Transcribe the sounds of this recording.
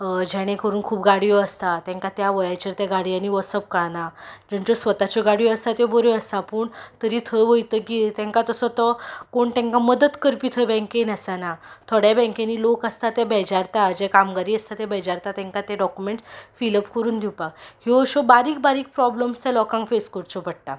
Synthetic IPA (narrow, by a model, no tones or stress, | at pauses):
d͡ʑɛɽ̃ẽkəɾuːnkʰuːpɡaɽijɔəst̪at̪ɛ̃ŋkat̪jaʋəjajt͡ɕəɾt̪eɡaɽijaniːʋəsəp̚kənad͡ʑəɳt͡ɕɔsʋət̪at͡ɕɔɡaɽijɔəst̪at̪eboɾeəst̪apəːɳt̪əɾiːt̪ʰəʋəjt̪əkit̪ɛ̃ŋkat̪əsət̪ɔkoɳt̪ɛ̃ŋkaməd̪ət̪kəɾpit̪ʰəbɛ̃ŋkenəsanat̪ʰoɽjabɛ̃ŋkẽniːlokəst̪at̪ɛbɛd͡ʑaɾt̪aəd͡ʑekamɡaɾiːəst̪at̪ebɛd͡ʑaɾt̪at̪ɛ̃ŋkat̪ɛɖɔkumeɳʈfiləpkəɾuːnd̪ʱiwpakhiəɕɔbaɾiːk̚baɾiːk̚pɾɔbləmst̪ɛlɔkãŋfeskəɾt͡ɕɔpəɽ̚ʈ̪a